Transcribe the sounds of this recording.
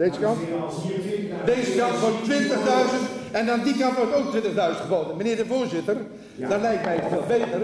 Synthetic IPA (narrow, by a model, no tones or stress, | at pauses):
d̥ezəkɑn | deːzəkɑntʋɔrttːʋɪntəχdœɥzəntɛndɑndikɑntʋɔrtowk̚tʋɪ̃ntəχdœɥzəntχəboːdənmənɪːrdəvoːɹzɪtər | dɑnlɛjktmɛjəsfɪːlˠbejtər